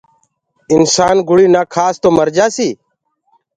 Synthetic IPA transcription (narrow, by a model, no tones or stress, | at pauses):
ɪnsaːnɡʊɽiːnaːkʰaːst̪oːməɾd͡ʒaːsiː